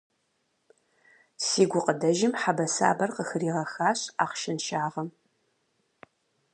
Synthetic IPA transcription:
siːɡʷʊqədɐʒɪmħabɐsa̰ːbɐrqəxɨɾiːʁɐxaːɕaːqʃɪnʃaːʁɐm

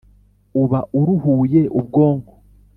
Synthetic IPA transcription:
uβaʔuɾuhuːje̞ʔubɡo̞ːŋɡo

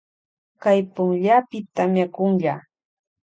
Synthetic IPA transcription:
kajpʊŋʎapɪt̪amjakʊŋʎaː

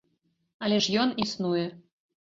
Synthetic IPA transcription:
ɐlʲɛʂjɔnisnujɛ

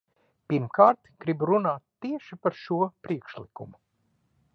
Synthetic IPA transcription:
piɾmkaːɾt̪ɡ̥ɾibuɾunaːt̪ːiɛʃipaɾʃuɔpɾiɛkʃlikṵmu

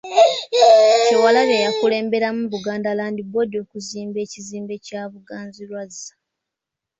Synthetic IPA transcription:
t͡ʃewalaβejakule̞ːmbe̞ɾamuβuɡaːndalaːndiβodjo̞ːkuziːmbe̞ːciziːmbe̞caːβuɡaːnzilwazːḁ

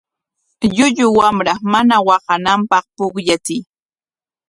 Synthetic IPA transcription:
ʎʊʎʊwamɾamanawɑqɑnampɑχpʊkʎat͡sɪj

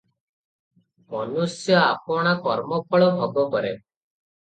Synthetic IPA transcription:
mɔnusjɔapɔɽ̃akɔɾmɔpɔɭɔbʱɔɡɔkɔɾe

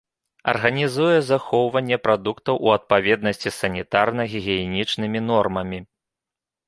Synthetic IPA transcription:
ɐ̰rɣɐnʲizujɛzaxɔwvɐnʲːɛpɾad̪ukt̪ɐwʔuɐt̪̚pavʲɛd̪̚nɐsʲt͡sʲisɐnʲit̪arnɐɣʲiɣʲinʲit͡ʂnɨmʲin̪ɔrmɐmʲi

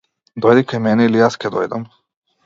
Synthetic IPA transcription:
d̪ojd̪ikajmɛnɛilijaskʲɛd̪ojd̪am

